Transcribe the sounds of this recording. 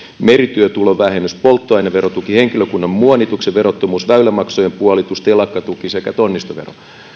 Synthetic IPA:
meɾit̪yøt̪uloʋæhenyspolt̪ːoɑjneʋe̞ɾot̪ukiheŋkiløkunːɑmmuɑnit̪ukseʋe̞ɾot̪ːomuːsʋæylæmɑksojempuɑlit̪ust̪elɑkːɑt̪ukisekæt̪onːist̪oʋero̰

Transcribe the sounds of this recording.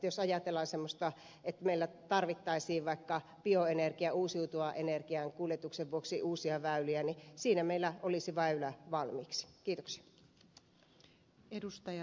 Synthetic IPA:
josɑjɑt̪elːɑːnsemːost̪ɑ | et̪ːmeilːæt̪ɑrʋit̪ːɑisiːʋʋɑikːɑ | pioenerkiæuːsiut̪uɑʔenerkiɑŋkuljet̪ukseʋʋuoksiʔuːsiɑʋæyliænisiːnæmeilːæʔolisiʋæylæʋɑlmiːksi̥kiːt̪oksi̥ɑ̥ | edust̪ɑjɑ

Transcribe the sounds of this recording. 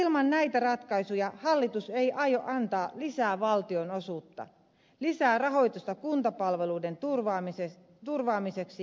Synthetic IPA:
ilmɑnnæjt̪ærɑt̪kɑisujɑhɑlːit̪useiʔɑjoʔɑnt̪ɑːlisæːʋɑlt̪ionosuːt̪ːɑ̰ | lisæːrɑɦo̞jt̪ust̪ɑkunt̪ɑpɑlʋe̞luidenturʋɑːmise | t̪urʋɑːmiseksi

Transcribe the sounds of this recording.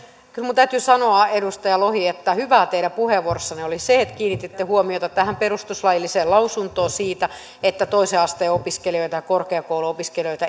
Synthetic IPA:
kylmunt̪æyt̪ysɑnoɑedust̪ɑjɑlohiet̪ːæhyʋæːt̪eiɾæpuheʋorsːɑneoliseet̪kiːnːit̪et̪ːehuomiot̪ɑt̪æhæmperust̪uslɑjilːiseːlɑusunt̪oːsiːt̪æ | et̪ːæt̪oiseɑst̪eːopiskelioit̪ɑjɑkorkeɑkouluopiskelijoit̪ɑ

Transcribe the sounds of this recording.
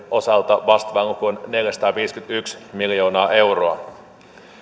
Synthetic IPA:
ʔo̞sɑlt̪ɑʋɑst̪ʋɑŋkuonne̞ljæsɑ̥t̪ɑːʋiːskyt̪yksmiljo̞ːnɑːʔe̞wroɑ

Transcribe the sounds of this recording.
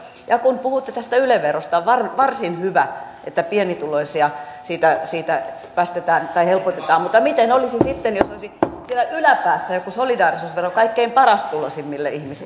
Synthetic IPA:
jɑkunpuhut̪ːet̪æst̪æyleʋʋerost̪ɑʋʋɑrʋɑrsinhyʋæ | ʔḛt̪ːæpienit̪uloisiɑsiːt̪æsiːt̪æ | pæst̪et̪æːnt̪ɑihelpot̪et̪ɑːmmut̪ːɑmit̪enolisisit̪ːenjosoisisielæʔylæpæːsːæjokusolidɑːrisuːsʋerokɑikːeimpɑrɑst̪ulosimːilːeihmisi

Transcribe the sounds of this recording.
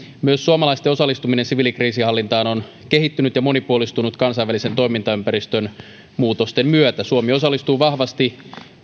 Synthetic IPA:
myøsːuomɑlɑist̪eo̞sɑlːˑist̪uminensiʋiːlikriːsihɑlːint̪ɑːno̞n | keɦit̪ːynyt̪jɑmo̞nipuolist̪unut̪kɑnsɑjʋːælise̞nt̪oimint̪ɑympæɾist̪øn | muːt̪ost̪emmyøt̪æsuomio̞sɑlːˑist̪uːʋɑhʋɑst̪i

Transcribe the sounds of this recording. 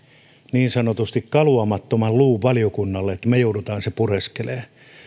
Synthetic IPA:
niːnsɑnot̪ust̪ikkɑluɑmɑt̪ːomɑlluːʋʋɑliokunːɑlːeet̪ːæmejoudut̪ɑːnsepureskeleː

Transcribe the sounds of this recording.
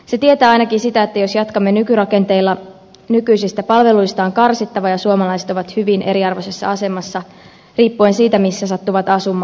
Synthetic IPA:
se̞t̪iet̪æːɑjnɑkisit̪æet̪ːæjo̞sjɑt̪kɑmːenykyɾɑke̞nt̪e̞ilːɑ | nykyjsist̪æpɑlʋe̞lujst̪ɑːŋkɑrsit̪ːɑʋɑjɑsuomɑlɑjset̪oʋɑt̪hyʋinʔe̞ɾiɑrʋo̞se̞sːɑ̰ɑse̞mɑsːɑ | riːpːuensiːt̪æmisːæsɑt̪ːuʋɑt̪ɑsumːˑɑː

